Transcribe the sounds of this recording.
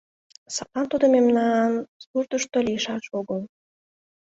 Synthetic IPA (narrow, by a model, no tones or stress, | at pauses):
sɑpɑnt̪ud̪əmemnɑnspurt̪əʃt̪olijəʃɑʃoɡəl